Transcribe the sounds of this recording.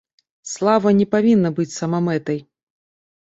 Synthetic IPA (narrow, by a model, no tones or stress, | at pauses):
slˠavɐnʲɛpavʲinːɐbɨt͡sʲsɐmamɛt̪ɐj